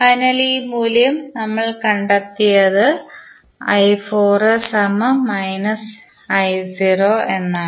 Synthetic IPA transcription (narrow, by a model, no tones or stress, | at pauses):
fɐjnɐlimuːljɐmnɐmːɐɭkɐɳɖɐt̪ːijɐðɨ | ɐjfoːrsɐmmɐjnɐs | ɐjsiːroːenːaː